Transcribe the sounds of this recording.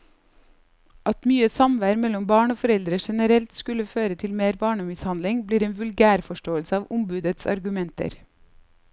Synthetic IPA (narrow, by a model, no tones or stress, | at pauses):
ʔɑt̪myːəsɑmʋæːɾmɛlɔmbɑːɳoːfɔɾɛld̪ɾəʃɛnəɾɛlt̪skʉləføːɾət̪ʰɪlmeːɾbɑːɳəmɪshɑnd̪lɪŋbliːɾeːnʋʉlɡæːɾfɔʃʈoːəlsəɑːʋʔʊmbʉːd̪ət̪sɑ̰ɾɡʉmɛnt̪ə̰ɾ